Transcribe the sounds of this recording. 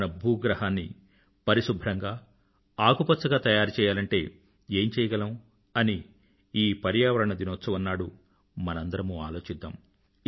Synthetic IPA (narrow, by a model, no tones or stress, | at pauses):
nɐbʱuːɡɾɐɦaːnːḭ | pɐɾiʃubʱɾɐŋɡaː | aːɡupɐt̪sɐɡaːt̪ɐjaːɾut͡ʃɛːjaːlɐɳʈe̞ː | e̞ːɲt͡ʃɛːjɐɡɐlɐm | ɐni | iːpɐɾjaːʋɐɾɐɳɐd̪inɔt̪sɐʋɐnːaːɽu | mɐnɐnd̪ɐɾɐmuaːlo̞ːt͡ʃid̪ːa̰ːm